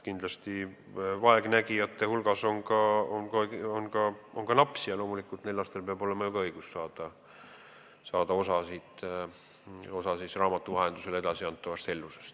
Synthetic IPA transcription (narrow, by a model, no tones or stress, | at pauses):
kind̪̥lɑst̪i | vɑeɡ̥næɡiɑt̪ːˑehulɡ̥ɑso̞nɡɑonkoeionkɑo̞ŋɡ̥ɑnɑpsijɑlo̞ːmulikːˑult̪ne̞lːɑst̪elpeɑbo̞le̞mɑjuɡɑɤjɡ̥usːɑːd̪̥ɑ | sɑːd̪̥ɑo̞sɑsid̪ | o̞sɑsisrɑːmɑt̪ːˑuvɑɦe̞nd̪use̞le̞d̪̥ɑsiɑnt̪ːˑɑvɑst̪e̞lːusest̪